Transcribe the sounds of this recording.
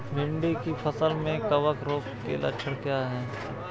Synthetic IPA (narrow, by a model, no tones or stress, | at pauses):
bʱɪ̃ɳɖikipʰəsəlmẽkɐʋəkɾoːkkḛlʔɐ̰ʃʰəɾkjaːɦɛː